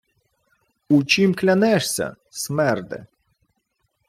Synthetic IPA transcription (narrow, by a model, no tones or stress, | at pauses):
ut͡ʃimklʲɐnɛʂsʲɐ̰ | sʲmɛrd̪ɛ̰